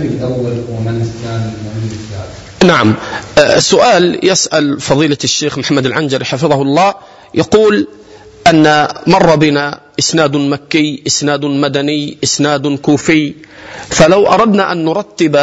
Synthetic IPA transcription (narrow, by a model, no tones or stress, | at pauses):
d̪awːɪɾwmanʔɪsnaːd̪ɪlmʊhɪmːɪfaːb | naʕamsːʊʔaːljɪsʔalfɑðˤiːlaʃːeːxmħamːad̪ɪlʕand͡ʒɑɾħafɨðˤɑhʊlˤːɑː | jʔɑquːl | ʔanːamɑrˤːɑbɪnaʔɪsnaːd̪makːɪjʔɪsnaːd̪mad̪anɪjʔɪsnaːd̪kuːfɪj | falawʔɑ̰ɾˤɑd̪naʔanːʊɾˤɑt̪ːɪb